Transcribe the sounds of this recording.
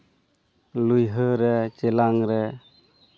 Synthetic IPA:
lujɦəɾɛt͡ʃɛlaŋɾɛ

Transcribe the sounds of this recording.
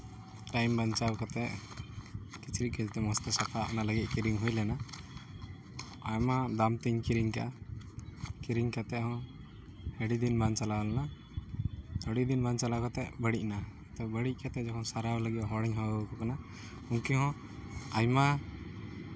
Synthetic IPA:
ʈajmbant͡ʃawkɔt̪ɛʔ | kit͡ʃʰɾit̚kəd͡ʒt̪ɛmɔst̪ɛsapʰaʔnaləɡit̚ˀkiɾiŋɦujlɛna | ajmad̪amt̪iɲkiɾiŋkaa | kiɾiŋkat̪ɛʔhɔ̃ | hɛɖid̪inbant͡ʃalawlɛna | əɽid̪inbant͡ʃalakɔt̪ɛʔbəɽic̚ˀna | t̪ɔbəɽic̚ˀkat̪ɛd͡ʒɔkʰɔnsaɾawləɡit̪̚ɦɔɽɛɲɦɔəkɔkana | uŋkiɦɔ̃ | ajma

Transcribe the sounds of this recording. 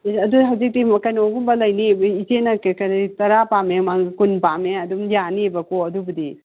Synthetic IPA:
ɐduɦawzik̚timɐkɐnoɡumbɐlɐjnibitenɐkkɐnitɐɾapamemaŋkunpameɐdumjanibɐkoɐdubɐdi

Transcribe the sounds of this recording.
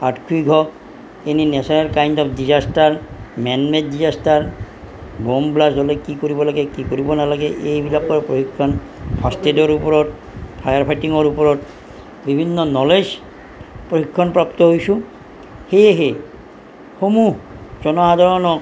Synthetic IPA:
aʈkʰuijɡʱɔk | eninɛsaeɾkajndɔpʰdizasʈaɾmɛnmedizasʈaɾ | bomblasdɔlekikoɾibɔlaɡekikoɾibɔnalaɡeʔejbʱilak̚kɔɾepɾohikʰːɔn | pʰastedɔɾupɔɾɔt̚ | pʰajaɾpʰajʈiŋɔɾupɔɾɔt | bibʱinːɔnɔlez | pɹohikʰːɔnpɹapt̪ɔɦojsũ | hejeɦe | homud͡ʒɔnɔɦad̪ʱaɾɔnɔ

